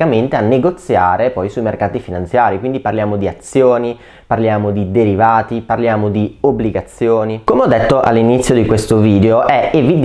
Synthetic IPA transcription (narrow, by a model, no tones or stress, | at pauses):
ament̪eanːeɡot̪sːjaːɾepɔjsuimerkaːt̪ifinant̪sjaːɾikwind̪iparljaːmod̪iat̪sːjoːni | parljaːmod̪id̪eɾivaːt̪iparljaːmod̪iobːliɡat̪sːjoːnikomeɔd̪ːet̪ːoʔa̰lːinit̪sːjod̪ikwest̪oviːd̪eoʔɛevid̪